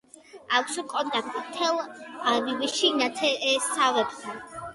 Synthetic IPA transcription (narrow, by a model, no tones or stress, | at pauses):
akʷʰsukʼɔnt̪ʼak̚t̪ʼimt̪ʰɛlˠaviviʃinat̪ʰɛsavɛb̚t̪ʰan